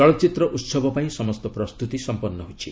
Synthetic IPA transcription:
ɔɭɔt͡ʃit̪ɾɔʔut̪sɔbʱɔpaĩsɔmɔst̪ɔpɾɔst̪ut̪isɔmpɔnːɔɦut͡ʃʰi

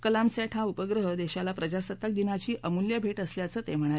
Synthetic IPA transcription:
kəlamsaʈʰɦaupəɡɾəɦəd̪eɕalapɾəd͡ʑasət̪ːək̚d̪inat͡ɕiːʔəmuljəbʱeʈəsljat͡səːt̪em̤əɽ̃aɾe

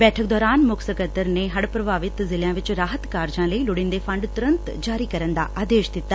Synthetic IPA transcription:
bɛːʈʰək̚d̪ɔːɾaːnmʊksəkət̪ːəɾneɦɐɽpɾɐbʱaːʋɪt̪zɪljãːʋɪt͡ʃɾaːɦət̪kaːɾd͡ʒãːlɐilʊɽɪnd̪efʰɐ̃ɳɖt̪ʊɾɐ̃nt̪d͡ʒaːɾiːkɐɾənd̪a̰ːʔʔaːd̪eːʃd̪ɪt̪ːaː

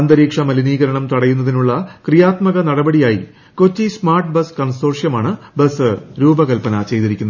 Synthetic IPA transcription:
ɐnd̪ɐɾiːkʂɐmɐliniːɣɐɾɐɳɐmt̪ɐɽɐjunːɐðinuɭːɐkrijaːt̪mɐɣɐnɐɽɐbɐɽijaːjḭ | ko̞t͡ɕːismaːrʈbɐskɐnsoːrʂjɐmaːɳɨbɐsɨɾuːbɐɣɐlpɐnɐt͡ɕe̞jt̪iɾikʲːunːɐ

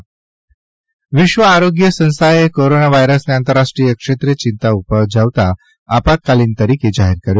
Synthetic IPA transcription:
ʋiɕʋəaɾoɡjəsə̃ñst̪aekoɾonaʋajɾəsneant̪əɾaʂʈɾijəkʂet̪ɾet͡ɕint̪aupəd͡ʑʱaʋt̪aː | pat̚kaliːnt̪əɾiked͡ʑaɦiɾkəɾj

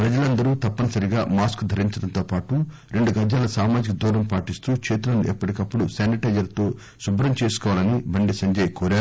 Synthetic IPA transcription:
pɾɐd͡ʒɐlɐnd̪ɐɾuːt̪ɐpːɐnɐsɐɾiɡaːmaːskd̪ʱɐɾiɲt͡ʃɐɽɐnt̪oːpaːʈu | ɾe̞ɳɖuɡɐd͡ʒjaːlɐsaːmaːd͡ʒikɐd̪ʱuːɾɐmpaːʈist̪uːkʂeːt̪̬ulɐnuʔɛpːɐʈikɐpːuɽuseːniʈɐd͡ʒɐɾt̪o̞ː | subɾɐmt͡ʃe̞ːsu̥kɔːʋaːlɐnibɐɳɖisɐɲd͡ʒɐːjɐkɔːɾaːɾu

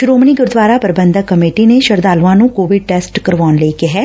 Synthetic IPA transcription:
ʃɾoːmniːɡʊɾd̪ʋaːɾaːpəɾbə̃nd̪əkːəmeːʈiːneʃəɾd̪aːlʋãːnũːkoːʋɪɖ̚ʈɛːsʈkəɾʋaːnleikɪɦɛː

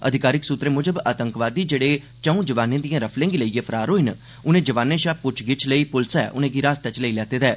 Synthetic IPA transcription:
ə̰d̪ʱɪkaːɾɪksut̪ɾeːmʊd͡ʒəbaːt̪əŋkʋaːd̪iːd͡ʒeːɽeː | t͡ʃəũːd͡ʒəʋaːnẽːd̪ijãːɾəpʰlẽːŋɡiləijẽːpʰəɾaːɾoːɪn | ʊnẽːd͡ʒəʋaːnẽːʃaːpʊt͡ʃʰɡɪt͡ʃʰləiːpʊlsɛːʔʊ̰nẽːɡiːɾaːst̪ɛːt͡ʃləiːlɛːt̪eːd̪ɛː

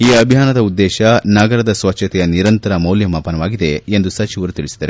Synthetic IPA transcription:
iːɐbʱijaːnɐd̪ɐud̪ːɛːʃɐnɐɡɐɾɐd̪ɐsʋɐtːʃʰɐt̪ɛjɐniɾɐnt̪ɐɾɐmɐwljɐmaːpɐnɐʋaːɡid̪eend̪usɐt͡ʃiʋɐɾut̪iɭisid̪ɐːɾe

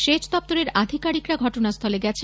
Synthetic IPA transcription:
ʃet͡ɕd̪ɔp̚t̪oɾeɾad̪ʱikaɾikɾaɡʱɔʈonast̪ʰɔleɡɛt͡ɕʰe

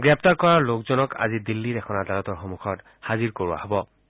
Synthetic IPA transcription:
ɡɹɛp̚taɹkɔɹaɹlokzɔnɔka̰zidilːidɛxʰɔnadʱaɹɔtɔɹxɔmuxʰɔt | haziɹkoɹuwa̰hobɔ

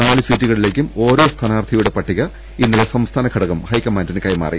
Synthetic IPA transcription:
naːɭɨsiːtːuɣɐɭile̞ːkʲːumo̞ːɾo̞ːst̪ʰaːnaːrt̪ʰɐjuɽe̞pɐʈːiɣɐ | inːilesɐmst̪ʰaːnɐkʰɐɽɐɣɐmhɐjkːɐmːaːndinɨkɐjma̰ːrḭ

